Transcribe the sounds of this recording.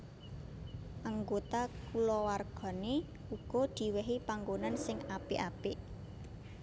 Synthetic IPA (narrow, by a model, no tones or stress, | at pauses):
ʔaŋɡot̪akulɔwarɡ̥ɔ̤ne | uɡ̥ɔ̤d̪̥i̤wɛɦipaŋɡonansɪŋapeʔapeʔ